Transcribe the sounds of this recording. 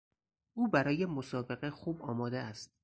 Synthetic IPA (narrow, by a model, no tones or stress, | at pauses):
ʔuːbæɾɒːje̞mo̞sɒːbe̞ɣexuːbɒːmɒːd̪eæst̪̚